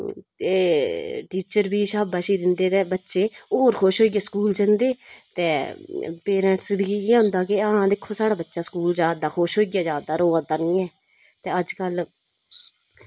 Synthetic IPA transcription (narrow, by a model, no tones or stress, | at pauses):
eːʈiːt͡ʃəɾbiːʃaːbaːʃiːd̪ɪnd̪eːt̪ẽːbətːʃeːoːɾkʰoːʃɦoːiːɡjaːskuːld͡ʒənd̪eːt̪eːpeːɾɛ̃ɳʈsbiːeɦʊ̃nd̪aːkɪɦãːd̪ɪkʰːõːsaːɽaːbətːʃaːskuːld͡ʒaːd̪aːxʰoːʃɦoːiːɡjaːd͡ʒaːd̪aːɾoːad̪aːnĩːɛː | t̪eːəd͡ʒkəl